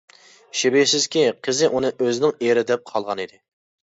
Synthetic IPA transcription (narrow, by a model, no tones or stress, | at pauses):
ʃɪbesɪz̥kʲiqʰəzɪʔunɨʔøzɪnɪŋeɾɪd̪ɛp̚qʰɑlˠʁɑnid̪ɪ